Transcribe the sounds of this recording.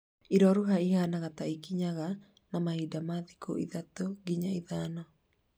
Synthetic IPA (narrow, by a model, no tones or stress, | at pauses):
iɾɔɾuɦaihanaɣat̪aikiɲaɣa | namahidamaðiko̰ʔḭðat̪oɡiɲaiðanɔ